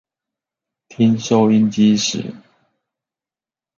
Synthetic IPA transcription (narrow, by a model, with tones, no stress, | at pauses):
t̪ʰi˦nʂo˥˧ʊi˥˧nt͡ɕi˦˥ʂɻ̩̰˨˩˦